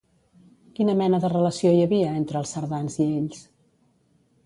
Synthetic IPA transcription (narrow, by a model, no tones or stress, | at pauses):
kinəmɛnəðərələsiojəβiəent̪ɾəːlˠsəɾðanzieʎs